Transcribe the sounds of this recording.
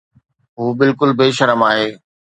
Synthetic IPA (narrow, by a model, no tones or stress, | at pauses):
ɦuːbɪlkʊlbeːʃɐɾəmaːɦeː